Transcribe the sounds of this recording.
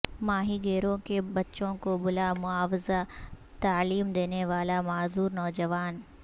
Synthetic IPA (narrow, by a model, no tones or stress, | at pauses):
maːɦiɡeːɾõkebɐtːʃõkobʊlamʊaːwɪza | t̪aːliːmd̪eːneʋaːlamaːzuːɾnɔːd͡ʒɐʋaːn